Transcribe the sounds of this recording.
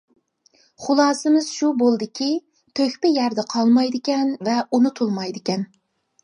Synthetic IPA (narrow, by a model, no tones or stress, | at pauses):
χʊlˠɑːsɨmɪz̥ʃubolˠd̪ɪkʲʰi | t̪ʰøkʲpɪjæɾd̪ɛqʰɑlˠmɑjd̪ɪkʲɛnvɛunut̪ʰulˠmɑjd̪ɪkʲɛn